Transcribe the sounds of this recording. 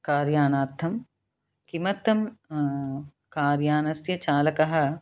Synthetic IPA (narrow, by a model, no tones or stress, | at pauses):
kaːɾjaːnaːɾt̪ʰɐm | kimɐt̪ːɐm | kaːɾjaːnɐsjɐt͡ʃaːlɐkɐɦɐ̆